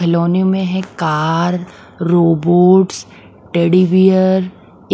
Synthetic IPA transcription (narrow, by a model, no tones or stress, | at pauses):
ɐloːnemẽɦɛ̃kaːɾ | ɾoːboːʈs | ʈeːɽiʋijəɾ